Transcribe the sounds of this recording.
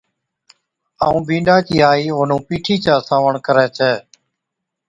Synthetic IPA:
aːũːbĩːɳɖaːkiːaːiːoːn̤ũːpiːʈʰiːt͡ʃaːsaːʋəɳkəɾɛːt͡ʃʰɛː

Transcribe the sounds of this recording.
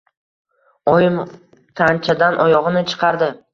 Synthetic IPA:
ɒjɪm | t̪ʰant͡ʃʰad̪anʔɒjɒʁɨnɪt͡ʃʰɨ̥qʰɑɾd̪ɪ

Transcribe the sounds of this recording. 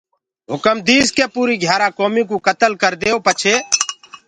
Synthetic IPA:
ɦʊkəmd̪iːskeːpuːɾiːɡʱjaːɾãːkoːmiːkuːkət̪əlkəɾd̪eːoːpət͡ʃʰeː

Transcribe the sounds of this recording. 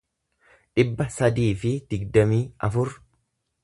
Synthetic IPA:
ᶑɪbːɐsɐd̪iːfɪd̪̥ɪɡd̪ɐmiːɐfʊɾ

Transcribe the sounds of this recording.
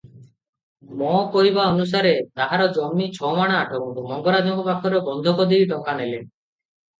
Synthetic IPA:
mɔkɔɾibaɔnus̬aɾet̪aɦaɾɔd͡ʒɔmːit͡ʃʰɔmaɽ̃aːʈʰɔkumɔŋɡɔɾad͡ʒɔkɔpakʰɔɾɔbɔnd̪ʱɔkɔd̪iɾid̪ɔkanelen

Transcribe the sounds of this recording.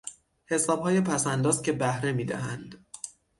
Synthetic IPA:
he̞sɒːbhɒːje̞pʰæsænd̪ɒːzcʰʲe̞bæhɾe̞miːd̪æɦænd̪̥

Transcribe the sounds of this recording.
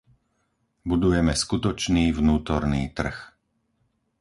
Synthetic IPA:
bud̪ujɛmɛskut̪ɔt͡ʃniːvnuːt̪ɔɾnḭːt̪r̩x

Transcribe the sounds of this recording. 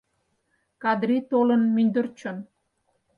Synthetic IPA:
kɑd̪ɾit̪olənmynd̪ərt͡ɕon

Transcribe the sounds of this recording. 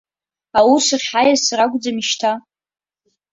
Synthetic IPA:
awusɨrʲħajasraɡʷʼd͡zamiʃtʰa

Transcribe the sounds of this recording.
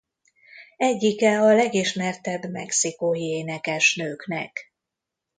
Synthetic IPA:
ɛɟːikɛɒlɛɡiʃmɛrt̪ɛbmɛksikoːjieːnɛkɛʃnøːknɛ̰k

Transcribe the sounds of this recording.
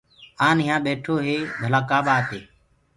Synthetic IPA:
aːnɪjãːɓeːʈʰoːɦeːb̪ʱəlaːkaːɓaːt̪eː

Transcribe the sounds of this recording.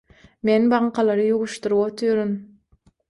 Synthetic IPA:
menbɑɴqɑlˠɑɾɯjuʁuʃt̪uɾuot̪ʰyɾyn

